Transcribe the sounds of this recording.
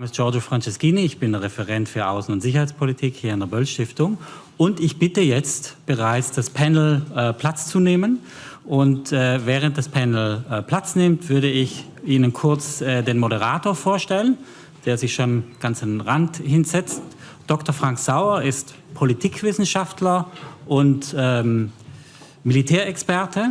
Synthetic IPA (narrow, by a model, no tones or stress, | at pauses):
mɪstd͡ʒ̥ɔɐd͡ʒofʁ̥ant͡ʃɛskiːniɪçb̥ɪndəʁɛfɛʁɛntfyːɐʔaʊsn̩ʊntz̥ɪç̬ɐhaɪt͡spʰolitʰiːkhiːɐɪndːɐbœlʃtɪftʊŋ | ʊntɪçb̥ɪtəjɛt͡stb̥əʁaɪt͡sd̥aspʰɛnl̩ɛpʰl̥at͡st͡suneːmən | ʔʊntɛːvɛːʁ̞ənt̚d̥aspʰɛnl̩ːpʰl̥at͡snɪmtv̥ʏɐɾəɪç | iːnənkʰʊɐt͡sɛːdeːnmoɾəʁaːtoːɐfoːɐʃtɛlən | d̥eːɐzɪçʃoːnɡ̥ant͡sandʁanthɪnz̥ɛt͡st | d̥ɔktɔɐfʁ̥aŋkz̥aʊɐɪst | pʰolitʰiːkv̥ɪsn̩ʃaftʰlɐʔʊntɛm | militʰɛːɐɛkspɛɐtʰə